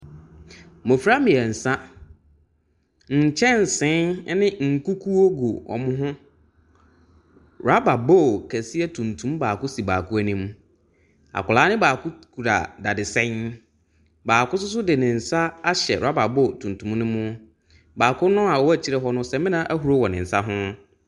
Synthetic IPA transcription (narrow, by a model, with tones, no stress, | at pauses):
mõ˨fi˦ɾa˦mɪ̃˨ɛ˨n̩˨sã˦ | ɲ̩˨t͡ɕʰɛ̃˦n̩˨sɪ̃˦n˦nɪ̃˦ŋ̩˨ku˦kʰu˦o˦ɡo˨ɔ̰˨mʊ̃˦ɦʊ̃˦ | ɾa˦ba˨bɔ˦˨kʰæ˨si˦ɛ˦tʰũ˨ntʰũ˦mbaː˨kʊ˦si˨ba̰ː˨kʰʊ˦æ˦nĩ˦m | a̰˨kʊ˨laː˨˦nɪ̃˦baː˨kʊ˦kʰu˨ɾa̰˨da˨dɪ˨sɛ̃˦n | baː˨kʊ˦sʊ˦s̬ʊ˦dɪ˨nɪ̃˨n̩˨sa˦a˦ɕɛ˨a˦ba˨bɔ˦˨tʰũ˨n˨tʰũ˨mnʊ̃˦mʊ̃˦ | baː˨kʰʊ˦nʊ̃˦a˨wɔ˦æ˦˨t͡ɕʰi˦ɾɛ˦ɦɔ˦nʊ̃˦sɛ˨˦mɪ̃˦nã˦ʔæ˦ɦu˨ɾo˦wɔ˨nɪ̃˨n̩˨sa˦ɦʊ̃˦